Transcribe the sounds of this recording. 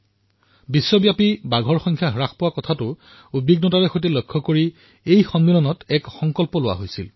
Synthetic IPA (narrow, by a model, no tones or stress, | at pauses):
bisːɔbjapibaɡʱɔɹxɔŋkʰjaɦɹaxpowakɔtʰatʊ | ubiɡnɔtaɹɛxojtɛlojkʰːɔkoɹi | ejxɔmmilɔnɔtɛkxɔŋkɔlpɔlʊwa̰ɦojsil